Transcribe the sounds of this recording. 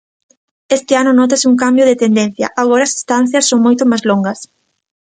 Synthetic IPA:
est̪ɪanʊnɔt̪̬asɪuŋk̬ambjʊðɪt̪end̪en̟θjɐ̰ʔaɣ̞ɔɾaːsi̥st̪an̟θjɐsːoŋmojt̪ʊmajzloŋɡɐs

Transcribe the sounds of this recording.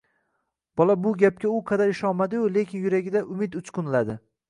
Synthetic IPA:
b̥ɒlabʊɡʲap̚kʲaʊqʰɑd̪aɾɪʃɒmad̪ɪjʊle̞kʲɪnjʊɾaɡʲɪd̪aʔʊmɪt̪ʊt͡ʃkʰʊnlad̪ɪ

